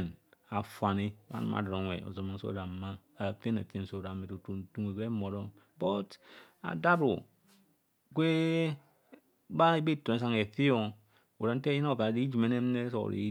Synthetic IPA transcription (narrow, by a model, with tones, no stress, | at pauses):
na˨fwa˨ni˦ba̰˦n̰˦ma̰˨dɾo˨˦˨ḛ˨o̰˨zo˨ma˨n̩˦so̰˦da˨˦ma˦ | a˨fe˦na̰˨fe˦n̩˨so˦˨a˨me˨tu˨tu˦tu˦ŋe˨ke˦mo˨ɾo˦ | bo˦ta̰˨da˦bu˨ | kʷe˦ | ba˦e˦be˦˨tːo˨ne˨s̬a˦ŋe˨fi˦o˦ŋ˦ | o˨ɾa˨n̩˦te˦ji˦na˦˨va˨di˦d͡ʒi˨me˨˦ne˦m˦ne˦so̰˨ɾḛ˨˦